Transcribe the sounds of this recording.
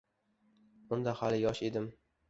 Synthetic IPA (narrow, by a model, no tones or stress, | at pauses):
b̥ʊnd̪ahalɪjɒʃe̞d̪ɪm